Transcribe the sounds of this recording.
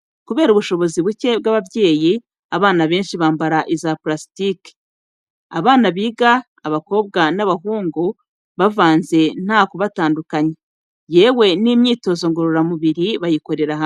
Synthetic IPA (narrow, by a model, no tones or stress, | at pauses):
kuβeːɾuβuʃo̞βo̞ziβuce̞b̚ɡaβavje̞ːji | aβaːnaβe̞ːnʃiβaːmbaɾaʔizaplasitike̥ | a̰βaːnaβiːɡaː | βako̞ːbɡanaβaɦuːŋɡo | βavaːnze̞n̥haːkoβataːndukaɲe | je̞ːwe̞nimɲiːto̞ːzo̞ŋɡoɾuɾamuβiɾiβajiko̞ɾe̞ɾaɦa